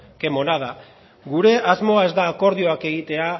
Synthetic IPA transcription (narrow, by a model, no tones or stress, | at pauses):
ke̞mo̞nað̞a | ɣuɾe̞ʔazmo̞ae̞zd̪aːko̞ɾð̞io̞ake̞ɣ̞it̪e̞a